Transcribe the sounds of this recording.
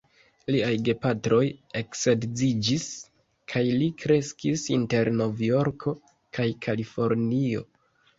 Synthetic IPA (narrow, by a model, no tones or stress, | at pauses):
liajɡe̞patɾo̞je̞ksedzid͡ʒis | kʰajlikɾe̞skisinte̞ɾno̞vjo̞ɾkʰo̞ | kʰajkʰalifo̞ɾnio̞̰